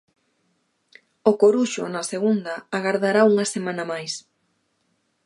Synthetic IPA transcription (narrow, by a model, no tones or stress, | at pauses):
ʊkoɾuʃʊ̰nɐseɣund̪ɐːɣaɾðaɾauŋɐsemãnɐmajs